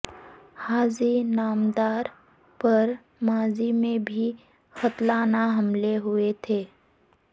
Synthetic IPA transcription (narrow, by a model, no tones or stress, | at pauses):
haːzinaːmd̪aːɾ | pɐɾ | maːzimẽbʱi | xət̪laːnaɦɐmleɦʊet̪ʰeː